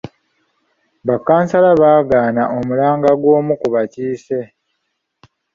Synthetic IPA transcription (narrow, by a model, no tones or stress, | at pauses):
βakːaːnsalaβaːɡaːnaʔo̞mulaːŋɡaɡwo̞ːmukuβaciːse̞